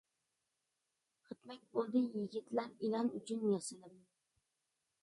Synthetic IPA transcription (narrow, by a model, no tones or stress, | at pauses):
χɨt̪mak̚ʲbolˠd̪ɪjɪɡʲɪt̪ʰlaɾɪlɒnʊt͡ʃʰʊnjɑsɪlɪm